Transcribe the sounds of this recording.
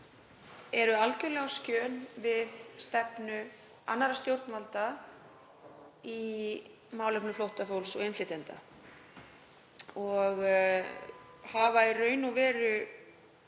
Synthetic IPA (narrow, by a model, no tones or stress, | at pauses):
ɛɾʏalcʏlɛɣawscœːnvɪðst̪ɛpnʏ | a̰nːaɾast̪jowɾt̪nmvalt̪a | i | maːwlɛpnʏflowht̪afowlsɔɣenflɪt̪ent̪a̰ | ɔɣ | haːvairœːɥnuvɛːɾʏ